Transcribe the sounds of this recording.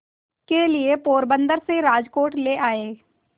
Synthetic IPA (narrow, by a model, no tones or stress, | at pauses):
keliepoːɾbə̃nd̪əɾseɾaːd͡ʒkoːʈleʔaːeː